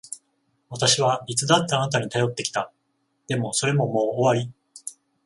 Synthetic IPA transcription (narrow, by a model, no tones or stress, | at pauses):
βat̪aɕiβ̞aɾʲit͡sɨd̪at̪ːaːnat̪̬aɲ̟it̪ajo̞t̪ːe̞kʲi̥t̪a | d̪̥e̞mo̞so̞ɾe̞mo̞mo̞ːβaɾʲi